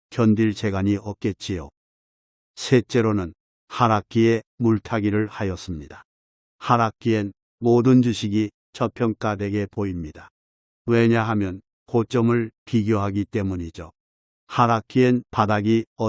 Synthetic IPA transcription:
kjʌndiɭt͡ɕe̞ɡaɲiʌp̚k͈e̞t͡ɕ͈ʰijo | sʰe̞t͡ɕ͈e̞ɾonɯn | haɾakʰie̞muɭtʰaɡiɾɯɭhajʌs͈ɯmɲida | haɾakʰien | modɯnd͡ʑuɕʰiɡi | t͡ɕʰʌpʰjʌŋk͈ade̞ɡe̞poimɲida | we̞ɲaɦamjʌn | kot͡ɕ͈ʌmɯɭpiɡjoɦaɡit͈e̞muɲid͡ʑo | haɾakʰienpadaɡiʌ

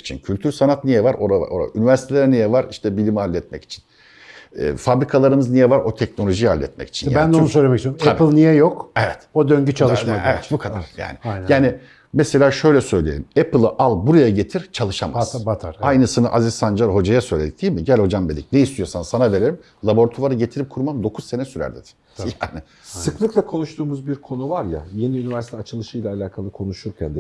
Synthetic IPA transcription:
i̥t͡ʃʰincʰylʲt̪ʰyɾsanat̪nijɛvaɾo̞ɾava̰oɾa̰ʔynivæɾsit̪ʰelʲæɾnijɛvaɾiʃt̪ʰɛbilʲimhalʲːɛt̪̚mɛ̰ci̥t͡ʃʰi̥n̰ː | fabɾikʰalˠaɾɯmɯznijɛvaɾot̪ʰɛcno̞lʲo̞ʒijalʲːɛ̰t̪̚mɛ̰ci̥t͡ʃʰinjabnd̪onus̬øjlʲemɛcsmʰeabiplˠnijɛjokevɛt̪od̪øɲɟyt͡ʃʰalˠɯʃmad̪evɛt̪bukʰad̪a̰ɾ̥ja̰ːnɪnjaːnɪ | mɛse̞lʲaːʃø̞jlʲɛsø̞jlʲijelʲimepɯlˠɯʔalˠbuɾajaɟe̞t̪ʰiɾt͡ʃʰalˠɯʃamazbat̪ʰaɾajnɯsɯnɯʔazissand͡ʒaɾho̞d͡ʒajasø̞jlʲe̞d̪ic̚d̪iːmiɟælʲho̞d͡ʒambed̪ʲicnejist̪ʰijo̞sansanave̞ɾe̞ɾim | lˠabo̞ɾt̪ʰuvaɾɯɟe̞t̪ʰiɾip̚kʰuɾmamd̪o̞kʰuzse̞nɛsyɾæ̰ɾd̪ed̪i̥ | jaːnɪ | sɯklˠɯklˠakʰo̞nuʃt̪ʰuːmuzbiɾkʰo̞nuvaɾja̰je̞niynivæɾsi̥t̪ʰɛat͡ʃʰɯlˠɯʃɯjlʲaːlʲaːkʰalˠɯkʰo̞nuʃuɾcʰɛnd̪

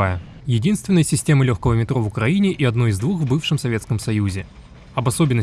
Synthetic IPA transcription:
ajə | jɪdʲinst̪vʲɪnəjəsʲɪsʲtʲe̞məlʲoxkəvəmʲɪt̪ɾo̞vʊkɾɐinʲɪʔiɐd̪no̞ɪzd̪vuxvbɨfʂɨmsɐvʲe̞t̪skəmsɐjuzʲɪ | ɐbɐsobʲɪnːə

